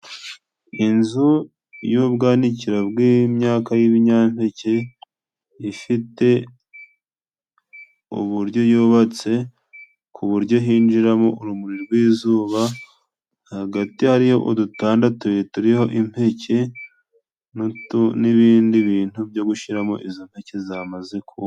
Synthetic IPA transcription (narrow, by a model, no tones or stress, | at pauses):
inzu | jubɡaːniciɾabɡimɲaːkajiβiɲampece | ifite̞ | ṵβuɾɟo̞juːβat͡se̞ | kʰuβuɾjo̞ɦiːnd͡ʒiɾamoʔuɾumuɾiɾɡwiːzuːβa | haɡatihaɾiho̞ʔudutaːndatujetuɾiho̞ʔim̥pe̞cʰe | ntniβiːndiβiːn̥hubjo̞ɡuʃiɾamo̞̰ʔizom̥pe̞cezaːmaze̞kʰu